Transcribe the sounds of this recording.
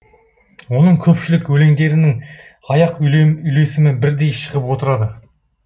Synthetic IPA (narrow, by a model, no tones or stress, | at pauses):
wo̞nəɴkʲʰɵpʃɪlɪkwɵle̞ŋd̪e̞ɾɪnɪŋ | ɑjɑqʏʏjle̞sɪmɪnbɪɾd̪e̞jʃə̥ʁəpwo̞t̪əɾɑd̪ə